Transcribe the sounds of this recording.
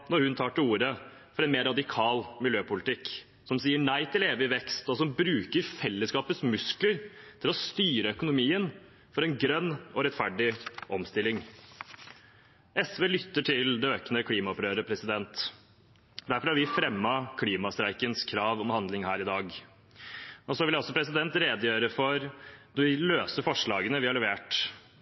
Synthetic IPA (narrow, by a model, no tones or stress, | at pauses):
nɔɾhʉnt̪ʰɑːʈɪuːɾəfɔɾɛnmeːɾːɑd̪ɪkʰɑːlmɪljøːpʊlɪt̪ɪk | sɔmsiːəɳæɪt̪ʰɪleːʋəɪʋɛkst̪ɔsɔmbɾʉːkəɾfɛlːəskɑːpət̪smʉskləɾt̪ʰɪlɔst̪yːɾəœkʊnʊmiːən | fɔɾɛnɡɾœnːɔɾɛt̪fæɖɪʔɔmst̪ɪlːɪŋ | ʔɛsʋeːlʏt̪ːəʈʰɪld̪ɛøːknəkʰliːmɑɔpɾøːɾəpʰɾɛsɪd̪ɛnt̪ | d̪æɾfɔɾhɑɾʋɪfɾɛmːɑkʰliːmɑst̪ɾæɪkənskʰɾɑːʋɔmhɑnd̪lɪŋhæːɾɪd̪ɑːɡ | ɔsɔʋɪlɔsɔpʰɾɛs̬ɪd̪ɛnt̪ɾeːd̪əjøːɾəfɔɾnɔʋɪløːsəfɔʂɭɑːɡənəʋɪhɑɭlɛʋeːʈ